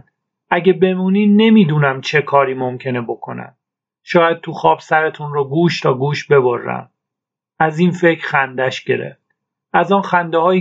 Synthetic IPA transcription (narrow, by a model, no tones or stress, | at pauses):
ʔæɟebe̞muːniːne̞miːd̪uːnæmt͡ʃʰe̞kʰɒːɾiːmomcʰe̞nebo̞kʰo̞̰næ̰m | ʃɒːjæd̪̥̚t̪ʰuxɒːb̥sæɾe̞t̪ʰunroɡuːʃt̪ʰɒːɡuːʃbe̞bo̞rːæ̰m | æziːnfe̞cʰɾxænd̪æʃɟe̞̰ɾḛft̪̚ | ʔæzɒːnxænd̪ehɒːji